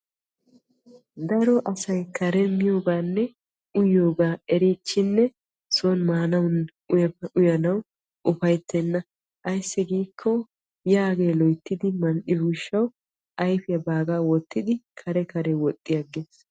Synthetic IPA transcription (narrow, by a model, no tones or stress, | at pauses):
d̪ɐɾɔʔɐsɐjkʰɐɾɛmɪjoːɡaːnːɛ | ʊjːo̞ːɡaːɛɾit͡ʃːɪnːɛ | soːnmaːnɐwn | ʊjɐʔʊjɐnɐw | ʔʊfɐjt̪ːɛnːɐ | ʔɐjsːɪɡiːkʰːɔ | jaːɡe̞ːlɔjt̪ːɪd̪ɪmɐnʔɪbʊʃːɐw | ʔɐjfɪjɐbaːɡaːwɔt̪ːɪd̪ɪkʰɐɾɛkɐɾɛwɔt̪ʼːɪjɐɡeːs